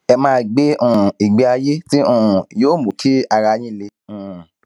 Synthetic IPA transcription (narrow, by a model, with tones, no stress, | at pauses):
ɛ˧mãː˦ɡ͡be˦ũ˦˨i˨ɡ͡be˨˧a˧je˦ti˦ũ˦˨joː˦˨mo˨kʰi˦a˧ɾa˧jĩ˦˨le˧ũ˨